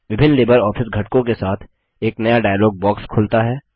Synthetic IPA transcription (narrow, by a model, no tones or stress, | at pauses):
ʋɪbʱɪnːleːbəɾɔːfʰɪsɡʱɐʈkõkesaːt̪ʰ | eːknɐjaɖaːjlɔːɡ̚bɔːkskʰʊlt̪aɦɛː